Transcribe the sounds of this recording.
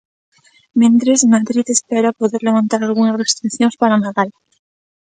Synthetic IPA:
mjẽnt̪ɾezmaðɾit̪espeɾapoðeɾle̞βãnt̪aɾalɣunasrest̪ɾiθjonspaɾanaðal

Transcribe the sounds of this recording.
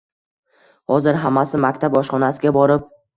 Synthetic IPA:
hɒzɪɾɦamːasɪmakʲt̪ʰabɒʃχɒnasɪɡʲabɒɾɪp̚

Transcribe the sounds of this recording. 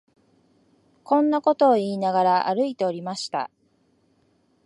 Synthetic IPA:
kõ̞nːako̞t̪o̞ːiːnaɡaɾaʔa̰ɾɯ̟it̪e̞o̞ɾʲimaɕi̥t̪a̰

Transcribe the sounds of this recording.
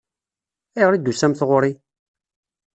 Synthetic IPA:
iʁɾid̪ːusæmθʁʊɾi

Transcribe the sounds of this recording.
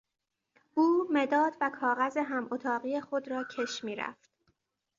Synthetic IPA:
ʔuːme̞d̪ɒːd̪vækʰɒːɣæzeɦæmʔot̪ʰɒːɣiːexo̞d̪ɾɒːcʰe̞ʃmiːɾæ̰ft̪̚

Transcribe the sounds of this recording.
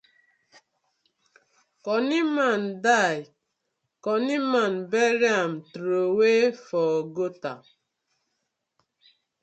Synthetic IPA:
kɔnimandaj | kɔnimanbɛɾiamtɾowefɔɡota

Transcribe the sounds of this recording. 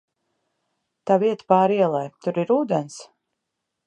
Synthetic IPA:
t̪aviɛt̪paːɾiɛlˠajt̪uɾiɾuːd̪ɛns

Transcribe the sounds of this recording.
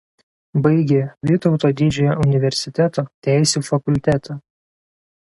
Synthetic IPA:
bɐɪɡʲeʋʲɪt̪ɔʊt̪oːd̪ʲid͡ʒʲoːjoʊnʲɪʋʲɛɾʲsʲɪt̪ʲɛt̪oːt̪ʲæˑɪsʲuːfɐkʊlʲt̪ʲæt̪ʰɐː

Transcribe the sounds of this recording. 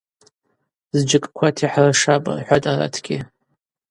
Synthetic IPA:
zd͡ʒɨkʼkʷʰatʰiħraʂapʼa̰rħʷatʼara̰tʰɡʲɪ

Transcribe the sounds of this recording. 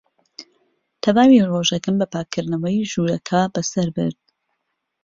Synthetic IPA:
t̪ʰɐvaːwiroʒɐkɨmbɐpʰaːkʰːɨɾd̪nɐwɛjʒuːɾɐkʰabɐsɐɾbɨ̰ɾd̪̚

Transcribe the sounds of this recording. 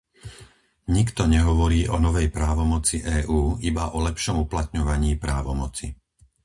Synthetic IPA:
ɲikt̪ɔɲɛɦɔʋɔɾiːʔɔnɔʋɛjpɾaːʋɔmɔt͡siʔɛːʔuːibaʔɔlɛpʃɔmuplat̪ɲɔʋaɲiːpɾaːʋɔmɔt͡si

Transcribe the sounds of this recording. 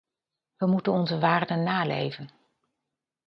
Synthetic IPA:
ʋəmutənɔnzəʋaːrdənːaːlḛjvən

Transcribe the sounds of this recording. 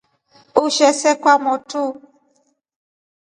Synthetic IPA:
uʃɛsɛkwamɔtu

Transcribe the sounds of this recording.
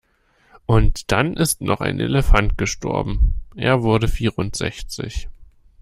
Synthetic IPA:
ʔʊntd̥anʔɪstnɔχa̰ɪnʔḛləfant̚ɡ̥əʃtʰɔ̰ɐbm̩ʔeːɐvʊɐdəfiːʁʊntz̥ɛ̰çt͡sɪ̰ç

